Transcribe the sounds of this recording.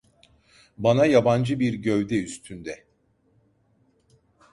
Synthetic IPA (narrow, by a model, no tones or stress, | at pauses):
banajaband͡ʒɯbiɾɟøvd̪ɛyst̪ʰynd̪ɛ